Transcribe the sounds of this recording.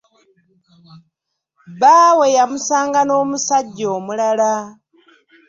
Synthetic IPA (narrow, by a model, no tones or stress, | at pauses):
βawe̞jamusaːŋɡano̞ːmusaɟːoːmulala